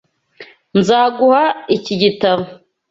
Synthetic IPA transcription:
nzaːɡuhaiciɟitaβo

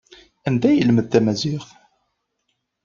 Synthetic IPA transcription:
ænd̪æjəlməd̪̚t̪æmæziχ

